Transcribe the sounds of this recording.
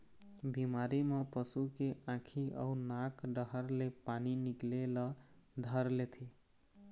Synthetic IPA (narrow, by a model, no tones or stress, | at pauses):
bimaɾimepəsukeãkʰiə̰unakɖəɦəɾlepaninikleləd̪ʱəɾlet̪ʰi